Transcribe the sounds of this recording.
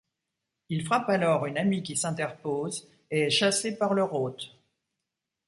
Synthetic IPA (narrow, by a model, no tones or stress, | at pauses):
ilfχapalɔʁynamikʲisɛ̃t̪ɛʁpoz | eɛʃasepaʁlœʁot̪